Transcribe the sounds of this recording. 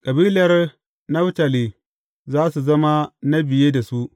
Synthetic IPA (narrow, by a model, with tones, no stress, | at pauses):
kʼɐ˨biː˦lɐ˦r | na˦wta˨li˨ | zaː˦su˨zɐ˦ma˦na˦bɪ˨je˦da˨su˦ʔ